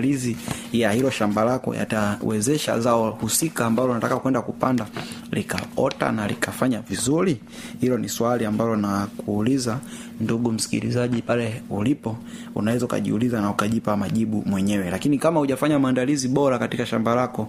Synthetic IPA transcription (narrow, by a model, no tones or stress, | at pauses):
lizi | jahilɔʃambalakɔ̰ja̰tawɛzɛʃa̰zaɔhusikaːmbalɔnatakakuwɛndakupandalika̰ɔta̰nalḭkafaɲavizuɾi | hilɔniswaliambalɔnakuːliza | nduɡum̩si̥kḭɾḭzaʄipalɛulipɔ | ṵnawɛzauka̰ʄḭulizanaukaʄipamaʄiɓumwɛɲɛwɛlakinikamahuʄafaɲamaːndaliziɓɔɾakatikaʃambalakɔ